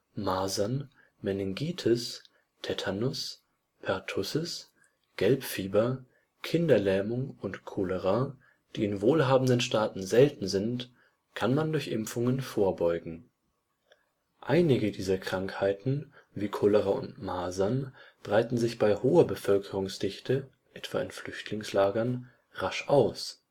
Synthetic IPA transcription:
maːzan | mɛnɛŋɡiːtʰʊs | tʰɛtʰanʊs | pʰɛɐtʰʊsəs | ɡ̥ɛlpfiːbɐ | kʰɪndɐlɛːmʊŋʊntkʰoləʁa | d̥iːɪnvoːlɦaːbm̩dənʃtaːtn̩zɛltn̩zɪnt | kʰanmandʊɐçʔɪ̰mfʊŋənfoːɐbɔʏɡŋ̩ | ʔaɪnɪɡədiːzɐkʁ̥aŋkhaɪtn̩viːkʰoləʁaʊ̰ntmaːzanb̥ʁaɪtn̩zɪçb̥aɪhoːɐbəfœlkʰəʁʊŋsd̥ɪçtʰə | ʔɛtv̥a̰ːɪnflʏçtʰlɪŋslaːɡɐn | ʁaʃʔaʊs

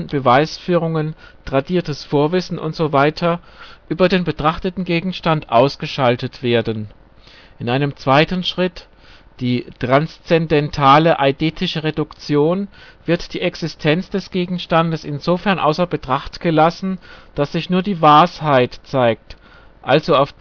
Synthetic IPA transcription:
b̥əvaɪsfyːʁ̞ʊŋənd̥ʁadiːɐtəsfoːɐvɪsn̩ʔʊ̰ntz̥ovaɪtʰɐʔyːbɐdeːnbətʁ̥aχtətn̩ɡeːɡŋ̩ʃtantʔaʊsɡ̥əʃaltətv̥eːɐdn | ʔɪnʔaɪnəmt͡sv̥aɪtn̩ʃʁ̥ɪt | d̥iːtʁ̥anst͡sɛndɛntʰaːləʔaɪdeːtʰɪʃəʁedʊkt͡sjoːnv̥ɪɐtd̥iːʔɛksɪstʰɛnt͡sd̥ɛsɡ̥eːɡŋ̩ʃtandəsɪnzofɛɐnʔa̰ʊsɐbətʁ̥aχtɡ̥əlasn̩d̥asz̥ɪçnuːɐdiːvaːɐshaɪtt͡saɪk̚t | ʔalzoaʊf

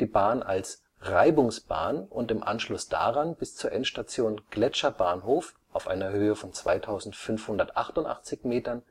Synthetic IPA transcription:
d̥iːbaːna̰ls | ʁaɪbʊŋsb̥a̰ːnʊntɪmʔa̰nʃlʊsd̥a̰ːʁanb̥ɪst͡suːɐʔɛnʃtat͡sjoːnɡ̥lɛt͡ʃɐbaːnɦoːf | ʔaʊfʔa̰ɪnɐhøːəfɔnt͡sv̥a̰ɪtʰaʊzn̩tfʏnfhʊndɐtʔa̰χtʊntʔa̰χt͡sɪçmeːtɐn

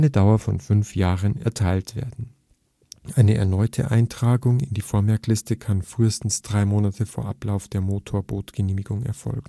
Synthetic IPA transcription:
nədaʊɐfɔ̰nfʏnfjaːʁənɛ̰ɐtʰaɪltv̥ḛːɐdn̩ | ʔaɪnəɛ̰ɐnɔʏtʰə̰ʔa̰ɪntʁ̥aːɡʊŋɪndiːfoːɐmɛɐklɪstəkʰanfʁ̥yːəstn̩sd̥ʁaɪmoːnatʰəfoːɐʔa̰plaʊfd̥eːɐmoːtʰoːɐboːtɡ̥əneːmɪɡʊŋɛ̰ɐfɔ̰lɡŋ̩

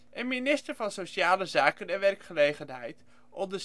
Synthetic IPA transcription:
ʔənminɪstəɹvɑnsowʃaːləzaːkəndɛɹʋɛrkχəlejχənɦɛjt | ʔɔmdə

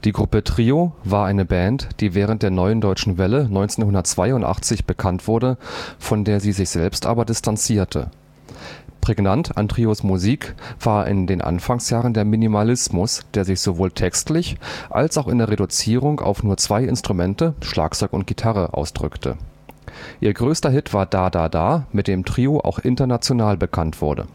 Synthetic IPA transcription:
d̥iːɡʁʊpətʁ̥iːovaːɐʔaɪnəbɛntd̥iːvɛːʁ̞ənt̚d̥eːɐnɔʏəndɔʏt͡ʃn̩vɛlənɔʏnt͡seːnhʊndɐt̚t͡sv̥aɪʊntʔa̰χt͡sɪçb̥əkʰantv̥ʊɐdəfɔndeːɐziːzɪçz̥ɛlpstʔa̰ːbɐdɪstʰant͡siːɐtʰə̰ | pʁ̥eɡnanta̰ntʁ̥iosmuziːkv̥aːɐʔɪ̰ndeːnʔa̰nfaŋsjaːʁəndeːɐminimalɪsmʊsd̥eːɐzɪçz̥ovoːltʰɛkstlɪçʔa̰lsaʊxɪndeːɐʁedut͡siːʁʊŋka̰ʊfnuːɐt͡sv̥aɪɪ̰nstʁ̥umɛntəʃla̰ːk̚t͡sɔʏkʊ̰nt̚ɡ̥itʰaʁəʔa̰ʊsd̥ʁʏktʰə̰ | ʔiːɐɡʁøːstɐɦɪtv̥aːɐdaːdaːdaːmɪt̚d̥eːmtʁ̥iːoʔa̰ʊxʔɪntɐnat͡sjonaːlbəkʰantv̥ʊ̰ɐdə̰

